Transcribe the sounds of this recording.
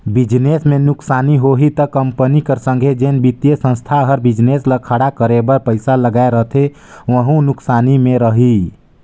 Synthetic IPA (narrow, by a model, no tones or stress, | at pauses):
bid͡ʒnesmenuksaniɦoɦit̪əkəmpənikəɾsə̃ŋɡʱed͡ʒenbit̪jesə̃nst̪ʰaɦəɾbid͡ʒnesləkʰəɽakəɾebəɾpəɪsaləɡaeɾəɦt̪ʰe | ʋəɦũnuksanimẽɾəɦi